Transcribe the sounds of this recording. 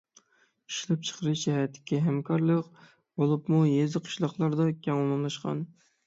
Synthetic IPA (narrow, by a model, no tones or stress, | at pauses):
i̥ʃlˠɨp̚t͡ʃʰə̥qʰəɾɨʃʃɛɦæɾt̪ʰːɪ̥kʲiɦæmkʰɑɾlˠəq | bolˠɨpmujezɨqʰə̥ʃlˠɑχlˠɑɾd̪ɑkʲʰɛŋulˠɑmlˠɑʃqʰɑ̰n